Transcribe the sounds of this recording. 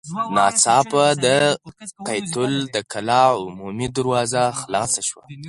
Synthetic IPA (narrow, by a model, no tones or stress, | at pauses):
nɑt͡sɑpad̪əqajt̪ʊld̪əkʰalɑʊmumid̪aɾwɑzaxlɑsaʃwa̰